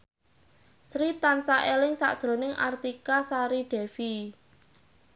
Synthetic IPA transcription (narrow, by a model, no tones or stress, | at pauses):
sɾit̪ansaʔelɪŋsa̰ʔd̥ʒ̥ɾo̤nɪŋʔa̰rt̪ikasaɾiɖ̪̥ɛ̤fi